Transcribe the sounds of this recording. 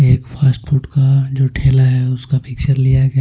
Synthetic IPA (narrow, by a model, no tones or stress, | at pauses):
eːkfʰaːsʈfʊʈkad͡ʒoːʈʰeːlaɦɛʊskamɪkt͡ʃəɾlijaɡ